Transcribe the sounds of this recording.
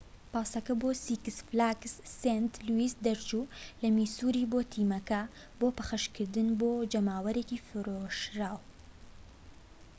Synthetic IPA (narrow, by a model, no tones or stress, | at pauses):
paːsɐkɐboːsikɨsflaksːent̪luisd̪ɐɾt͡ʃulɐmisuɾiːboːt̪ʰiːmɐkɐ | boːpɐxɐʃkʰɨɾd̪ɨnboːd͡ʒɐmaːwɐɾekifɨɾoʃɾaːw